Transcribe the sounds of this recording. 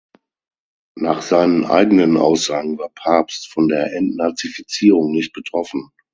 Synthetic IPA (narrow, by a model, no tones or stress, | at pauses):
naːχz̥aɪnənʔa̰ɪɡənənʔa̰ʊsz̥aːɡŋ̩vaːɐpʰaɐpstfɔndeːɐʔɛntnaɐt͡sifit͡siːʁ̞ʊŋnɪçt̚b̥ətʁ̥ɔfn̩